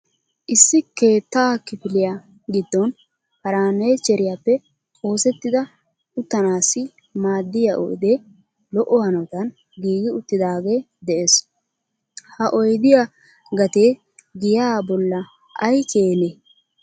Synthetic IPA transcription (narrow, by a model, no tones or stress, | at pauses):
ʔɪsːɪke̞ːt̪ːaːkːɪfɪlɪja | ɡɪd̪ːɔn | hɐɾaːnɐjt͡ʃɛɾɪjapːɛ | o̞ːsɛt̪ːɪd̪ɐ | ʊt̪ːɐnaːsːɪ | maːd̪ːɪjaʔɔ̰jd̪eː | lɔʔɔhɐnɐt̪ɐn | ɡiːɡɪʊt̪ːɪd̪aːɡe̞ː | d̪ɛʔes | hɐʔɔjd̪ɪja | ɡɐt̪eː | ɡɪjaːbɔlːɐ | ʔɐjkeːne